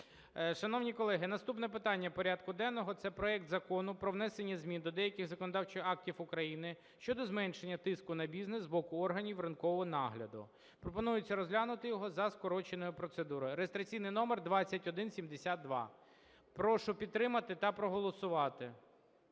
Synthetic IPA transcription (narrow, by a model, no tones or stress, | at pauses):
ʃɐnɔwnʲikɔlˠɛɦɪnɐst̪upnɛpɪt̪ɑnʲːɐpɔɾʲad̪kʊd̪ɛnːɔɦɔt̪sɛpɾɔɛk̚t̪zɐkɔnʊpɾɔʋnɛsenʲːɐzʲmʲind̪ɔd̪ɛjɐkʲɪxzɐkɔnɔd̪ɑwt͡ʃɪxɑk̚tʲifʊkɾɐjinɪ | ʃt͡ʃɔd̪ɔzmɛnʃenʲːɐt̪ɪskʊnɐbʲizneszbɔkʊɔrɦɐnʲiwrɐnkɔʋɔɦɔnɑɦlʲɐd̪ʊ̰ | pɾɔpɔnujʊt͡sʲːɐɾɔzɦlʲanʊt̪ɪjɔɦɔzɐskɔɾɔt͡ʃenɔjʊpɾɔt̪sed̪uɾɔjʊɾeest̪ɾɐt͡sʲijnɪjnɔmerd̪ʋɑt͡st͡sʲːɐtʲɔd̪ɪnsʲimd̪esʲat̪̚d̪ʋɑ̰ | pɾɔʃʊpʲid̪t̪ːɾɪmɐt̪ɪt̪ɐpɾɔɦɔlˠɔsʊʋɑt̪ɪ